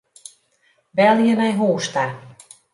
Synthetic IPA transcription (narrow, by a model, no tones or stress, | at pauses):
bɛlˠjənɛjɦoːsta